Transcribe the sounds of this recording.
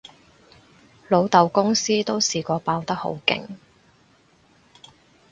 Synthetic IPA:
lo˨˧wt̪ɐ˨˧wkʊ˥ŋsiː˥t̪o˥wsiː˨kʷɔː˧paː˧wt̪ɐ˥k̚ho̰˨˥wkɪ̰˨ŋ

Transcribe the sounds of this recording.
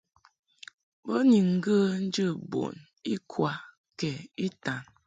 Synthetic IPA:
bə˦ni˨ŋ̩˦ɡə˦n̩˦d͡ʒə˦˨bo̰˨n | i˦kʰwa˦ | kɛ˨i˦ta˨n

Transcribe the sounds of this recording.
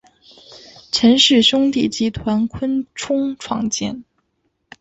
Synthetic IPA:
ʈ͡ʂʰə˧˥nʂɻ̩˥˩ɕʊ˥ŋt̪i˥˩t͡ɕi˧˥t̪ʰwa˧˥nkʰwə˥nʈ͡ʂʰʊ˥ŋʈ͡ʂʰwɑ̰˥˩ŋt͡ɕjɛ̰˥˩n

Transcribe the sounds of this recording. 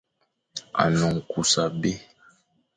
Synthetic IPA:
a̰˨nɔ˨ŋ̩˨ku˨sa˨be˦

